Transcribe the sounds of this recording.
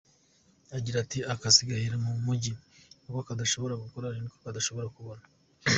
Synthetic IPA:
aɟiɾatiakasiɡahiɾamumuɟinukoakadaʃo̞βo̞ɾaɡukoɾaɾinikokadaʃo̞βo̞ɾakuβonḁ

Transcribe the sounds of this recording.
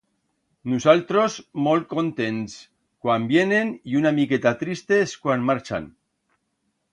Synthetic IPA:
nusalt̪ɾozmol̚ko̞nt̪e̞ns | kwambje̞ne̞niunamiket̪at̪ɾist̪eskwanmaɾt͡ʃa̰n

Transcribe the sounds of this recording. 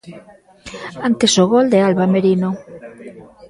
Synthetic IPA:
ant̪esoɣɔld̪ealβameɾino

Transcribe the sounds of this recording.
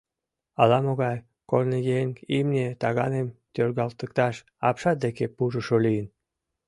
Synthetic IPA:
ɑlɑmoɣɑj | kolnejeŋimnʲet̪ɑɣɑnemt̪ʲørɣɑlt̪əkt̪ɑʃ | ɑ̰pʃɑd̪ekepuʒəʃolijən

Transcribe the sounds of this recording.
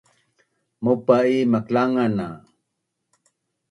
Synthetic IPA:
mupaimaklaŋana

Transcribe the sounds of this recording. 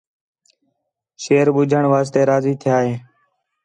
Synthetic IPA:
ʃeːɾɓʊd͡ʒʱəɳʋaːs̬t̪eːɾaːziːt̪ʰɪjaːɦeː

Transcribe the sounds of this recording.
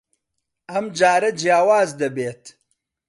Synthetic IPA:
ɐmd͡ʒaːɾɐd͡ʒjaːwaːzd̪ɐbeːt̪

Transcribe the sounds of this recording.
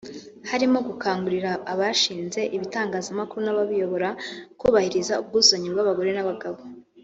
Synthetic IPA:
haɾimo̞ɡukaːŋɡuɾiɾaːβaʃiːnze̞ʔiβitaːŋɡaːzamakuɾunaβaβijo̞βo̞ɾakuːβahiɾizaub̚ɡuːzoɲibɡaβaɡo̞ɾe̞naβaɡaβo

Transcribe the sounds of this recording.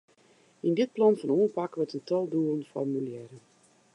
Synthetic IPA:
indɪt̚plɑnfɔnuːənpakʋətəntʰɔlˠduələnfɔ̰rmyljɛɾən

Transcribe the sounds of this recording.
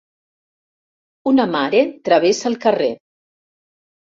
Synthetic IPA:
unəmaɾet̪ɾəβ̞esəːlˠkərḛ

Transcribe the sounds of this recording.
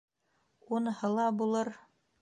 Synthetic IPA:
unhɤ̆lˠɑbulˠɤɾ

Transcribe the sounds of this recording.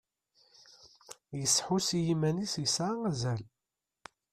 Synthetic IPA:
jəsːħusjimænisjəsʕaæzæl

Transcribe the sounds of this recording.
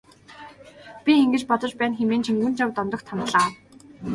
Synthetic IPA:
pʲieŋɡɘ̆t͡ɕpɔt̪ɞ̆t͡ɕpæːnxemeːnt͡ɕʰiŋɡunt͡ɕawt̪ɔnt̪ɞ̆xt̪ʰamt̪ɮaː

